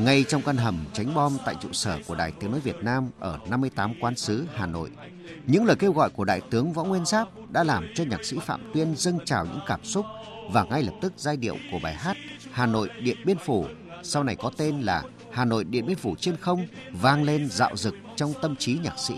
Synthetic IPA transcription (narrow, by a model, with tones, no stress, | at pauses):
ŋa˧jt͡ɕɔ˧wŋ͡mka˧nɦə˨˧˩mt͡ɕa˨˦jŋ̟ɓɔ˧mt̪a̰ː˧˨jt͡ɕṵ˧˨səː˧˩ku˧˩əɗa̰ː˨jt̪ɨ˨˦ŋnɔ̰˧˦jvi˨˩ət̚naː˧mʔəː˧˩na˧mːɨ˧əjt̪aː˨˦mkwaː˨˦nsɨ˨˦haː˨˩no̰˧˨j | ɲɨ̰˧˥ŋləː˨˩jke˧wɣɔ̰˧˨jku˧˩əɗa̰ː˧˨jt̪ɨ˨˦əŋvɔ̰˧˥wŋwi˧ənsaː˦˥p̚ɗa̰ː˧˥laː˨˩mt͡ɕɔ˧ɲaː˨˩k̚sḭ˧˥fa̰ː˧˨mt̪wi˧ənzə˧ŋt͡ɕa̰ː˨˩wɲɨ̰˧˥ŋkaː˧˩msʊ˦˥k͡p̚ | vaː˨˩ŋa˧jlə˨˩p̚t̪ɨ˦˥k̚zaː˧jɗḭ˧˨əwku˧˩əɓaː˨˩jɦaː˦˥t̚haː˨˩no̰˧˨jɗḭ˧˨ənɓi˧ənfu˧˩ | sa˧wna˨˩jkɔ˨˦t̪e˧nlaː˨˩ | haː˨˩no̰˧˨jɗḭ˨˧˨ənɓi˧ənfu˧˩t͡ɕe˧nxə˧wŋ͡mvaː˧ŋle˧nza̰ː˧˨wzɨ˨˩k̚t͡ɕɔ˧wŋ͡mt̪ə˧mt͡ɕi˨˦ɲaː˨˩k̚sḭ˧˥